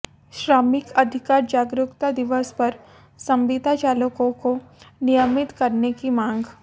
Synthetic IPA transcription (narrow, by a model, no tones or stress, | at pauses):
ʃɾaːmɪkɐd̪ʱɪkaːɾd͡ʒaːɡɾʊkt̪ad̪ɪʋəspɐɾ | sɐ̃mʋiːd̪ʱat͡ʃaːləkõkonɪjəmɪt̪kɐɾnekimãːŋɡ